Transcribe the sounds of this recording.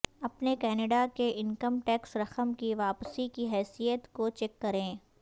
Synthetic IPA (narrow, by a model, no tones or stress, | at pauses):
ɐpnekɛːneɖakeʔɪnkəmʈɛːksɾɐxəmkiʋaːpsikiɦɛːsijət̪kot͡ʃɛːkːɐɾẽː